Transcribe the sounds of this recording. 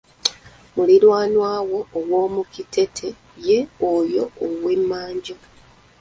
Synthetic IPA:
mulilwaːnwaːwo̞ːwo̞ːmukitʰe̞tʰe̞ | je̞ojo̞owwemːaːɲɟo

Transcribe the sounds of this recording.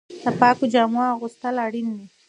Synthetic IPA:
d̪̥əpɑkod͡ʒɑmaɣust̪əlaɽinːi

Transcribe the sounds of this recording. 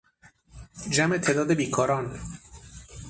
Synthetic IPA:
d͡ʒæmet̪ʰeːd̪ɒːd̪ebiːkʰɒːɾɒːn

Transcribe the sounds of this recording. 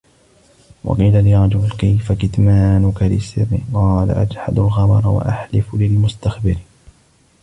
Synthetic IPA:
wɑ̰qiːlalɪɾˤɑd͡ʒʊlkajfakɪt̪maːnʊkalɪ̰sːɪrːɪ̰qɑːla̰ʔad͡ʒħa̰d̪alɣɑmɑɾˤwa̰ʔaħlɪflɪlmʊst̪axbɪɾ

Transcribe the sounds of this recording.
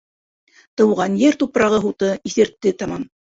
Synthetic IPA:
t̪ɤ̆wʁɑnjɘɾt̪upɾɑʁɤɦut̪ɤiθɘ̆ɾt̪ːɘt̪ɑmɑm

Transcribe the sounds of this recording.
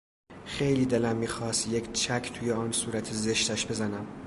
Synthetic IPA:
xejliːd̪e̞læmːiːxɒːst̪jekt͡ʃʰækʰt̪ʰuːjeɒːnsuːɾæt̪ʰezeʃt̪æʃb̥e̞zænæm

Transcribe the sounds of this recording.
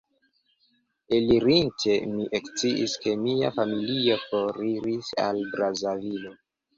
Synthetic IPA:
eliɾintʰe̞miʔekt͡siʔiske̞miafamilio̞fo̞ɾiɾisa̰lbɾazavilo

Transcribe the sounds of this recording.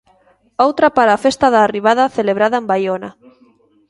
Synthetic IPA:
owt̪ɾapaɾaːfest̪aðaːriβ̞aðaθeleβ̞ɾaðaembajona

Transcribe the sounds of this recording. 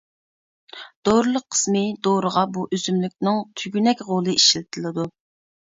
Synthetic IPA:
d̪̥oɾlˠəqʰːə̥smɨd̪oɾəʁɑbuʔøzymlykʲnɪŋt̪ʰyɡʲynɛkʲʁolˠɨiʃlɪt̪ʰɨlˠɨd̪u

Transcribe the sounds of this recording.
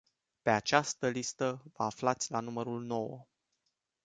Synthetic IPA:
pe̞at͡ʃast̪əlist̪əvəaflat̪sʲlanuməɾulno̞wə̰

